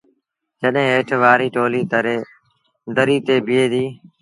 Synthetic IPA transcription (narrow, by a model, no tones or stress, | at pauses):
d͡ʒəɗɦẽːɦeːʈʰʋaːɾiːʈoːliːd̪əɾeː | d̪əɾiːt̪eːbɪeːd̪iː